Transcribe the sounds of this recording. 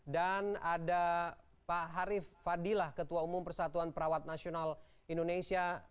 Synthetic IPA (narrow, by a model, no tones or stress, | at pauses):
danada | paɦaɾifːadilahkət̪uaumʊmpərsat̪uanpəɾawat̪̚nasional | indonesia